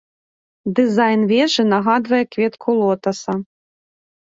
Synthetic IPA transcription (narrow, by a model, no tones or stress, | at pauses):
d̪ɨzajnvʲɛʐɨnɐɣad̪vɐjɛkvʲɛt̪kʰulˠɔt̪ɐsɐ